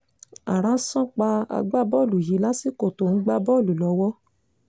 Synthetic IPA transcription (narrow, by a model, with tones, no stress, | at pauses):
a˨ɾ̃ã˨˦sɔ̃˦k͡pa˧a̰˧ɡ͡ba˦bɔ˦˨lu˨ji˨˦la˦si˦˨ko˦˨to˨n̩˦ɡ͡ba˦bɔ˦˨lu˨lɔ˨˧˦wɔ˦